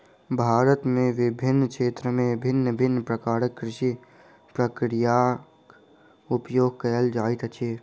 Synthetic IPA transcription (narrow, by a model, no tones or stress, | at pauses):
bʱaːɾət̪mẽʋɪbʱɪnːkʰeːt̪ɾəmẽbʱɪnːəbʱɪnːpɾəkaːɾəkːɾɪʃi | pɾəkɾija | upjoːɡkəld͡ʒaːit̪ʰət͡ʃʰe